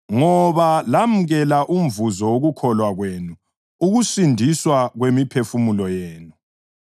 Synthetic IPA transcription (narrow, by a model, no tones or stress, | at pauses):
ŋɔβalam̩ɣɛlaʔum̩vuzɔwoɣukʰɔlwaɣwenu | uɣusindʱiswaɣwemipʰefumulɔjeːnu